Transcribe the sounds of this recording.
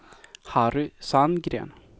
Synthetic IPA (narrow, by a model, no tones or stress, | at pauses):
haɾʏsanɡɾḛːn